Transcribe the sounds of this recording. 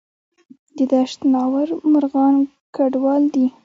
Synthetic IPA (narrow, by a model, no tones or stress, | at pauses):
d̪əd̪aʃt̪nɑwaɾmʊɾɣɑn | kaɖwɑld̪i